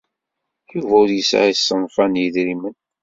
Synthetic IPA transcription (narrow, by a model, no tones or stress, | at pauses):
juvæʊɾjəsa̰isːənfænjəðɾimən